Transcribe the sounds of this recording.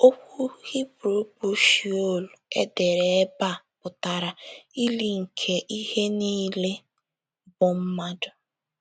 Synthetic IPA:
o˦kʷu˦ɣi˦bɾo˨˦bu˦ʃi˨o˦˨lu˨ḛ˦de˨ɾe˨˦ba˦˨ | pʊ˨ta˨ɾa˨i˦li˦ŋ̩˨kʰe˨ʔi˦he˦niː˦le˦ | bʊ˦m̩˦ma˦dʊ˨

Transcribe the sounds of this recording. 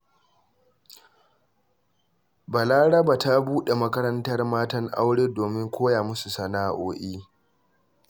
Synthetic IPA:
ba˨laː˦ɽɐ˦ba˨ta˦buː˦ɗe˨mɐ˦kɐ˦ɾɐ˦ntɐ˦rmaː˦tɐ˦ŋʔa̰˦wɽeː˦doː˨mɪ˦ŋkʷoː˦jaː˨mʊ˦su˨sɐ˨naː˦ʔoː˦ʔiː˦

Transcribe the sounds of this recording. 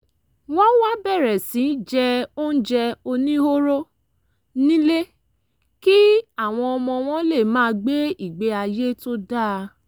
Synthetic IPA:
wɔ̃˦wa˦bɛ˦˨ɾɛ˨sĩ˨˦d͡ʒɛ˧o˦n̩˦d͡ʒɛ˧o˧nĩ˦ho˦ɾo˦ | nĩ˦le˦ | ki˦a˦˨w̃ɔ̃˧ɔ˧mɔ̃˧w̃ɔ̃˦le˦˨mãː˦˧˦ɡ͡be˦i˦˨ɡ͡be˧˦a˧je˦to˦da˦˨˧

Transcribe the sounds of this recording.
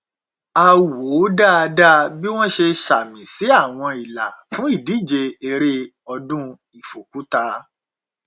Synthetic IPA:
a˧wo˨˦da˦a˧da˦bi˦w̃ɔ̃˦ʃe˧ʃa˨mĩ˨˦si˨˦a˦˨w̃ɔ̃˧i˨la˨fũ˦i˦˨di˨˦˨d͡ʒe˧e˧ɾe˧ | ɔ˧dũ˦ | i˨fo˨ku˨˦ta˧

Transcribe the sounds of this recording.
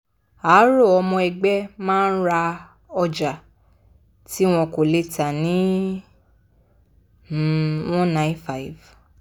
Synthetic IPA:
aː˨˦ɾo˦˨ɔ˧mɔ̃˧ɛ˨ɡ͡bɛ˦mãː˦n̩˦ɾa˧ | ɔ˧d͡ʒa˨ | ti˦w̃ɔ̃˧ko˨le˦ta˨nĩ˨˦˨ | wɔ̃˦nã˨˦i˦fa˨i˨v

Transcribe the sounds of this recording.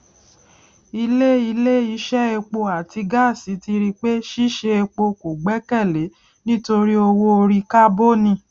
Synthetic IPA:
i˧le˦i˧le˦i˧˦ʃɛ˦e˧k͡po˧a˨ti˧ɡa˦˨si˨˦ti˧ɾi˧k͡pe˦ʃi˦ʃe˧e˧k͡po˧ko˨ɡ͡bɛ˨˦kɛ˦˨le˨˦ | nĩ˦to˧ɾi˦o˧wo˦o˧ɾi˧ka˦bo˦nĩ˧˨

